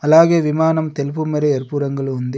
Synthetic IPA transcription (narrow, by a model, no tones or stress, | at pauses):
ɐlaːɣeːʋimaːnɐmt̪ɛlpumɐɾɐɐɾpuɾɐŋɡɐɭɯund̪i